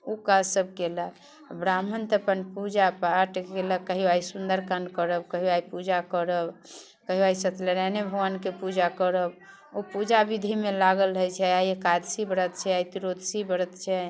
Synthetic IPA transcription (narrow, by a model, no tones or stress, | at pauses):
ukasəb̚ʱkelək | bɾamənt̪əpənpud͡ʒapaʈkeləkːəɦiajsund̪əɾkənkəɾəbkəɦiuajpud͡ʒakəɾəb | kəɦiaisət̪ləɾɛnebʱuwankepud͡ʒakəɾəb | opud͡ʒabid̪ʱimelaɡəlɦəjt͡ʃʰɛajekad̪sibəɾət̪t͡ʃʰɛajt̪iɾod̪ʱsibəɾət̪t͡ʃʰɛ